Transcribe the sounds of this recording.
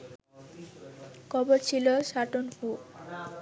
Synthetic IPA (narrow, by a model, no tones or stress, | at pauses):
kʰɔboɾt͡ɕʰiloʃaʈonfu